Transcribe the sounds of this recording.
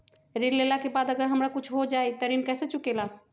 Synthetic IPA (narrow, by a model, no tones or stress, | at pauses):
ɾillelakebad̪əɡəɾɦəmɾakut͡ʃʰɦod͡ʒajt̪əɾinkɛset͡ʃukela